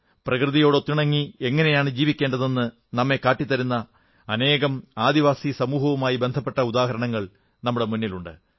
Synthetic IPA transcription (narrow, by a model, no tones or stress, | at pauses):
prɐkrɨðijo̞ːɽo̞t̪ːiɳɐŋːie̞ŋːɐne̞jaːɳɨd͡ʑiːʋikʲːe̞ːɳɖɐðe̞nːɨ | nɐmːe̞kaːʈːit̪ːɐɾunːɐ | ɐne̞ːɣɐmaːd̪iʋaːsisɐmuːɦɐʋumaːjibe̞nd̪ʱɐpːe̞ʈːɐud̪aːɦɐɾɐɳɐŋːɐɭ | nɐmːuɽe̞munːiluɳɖɨ̰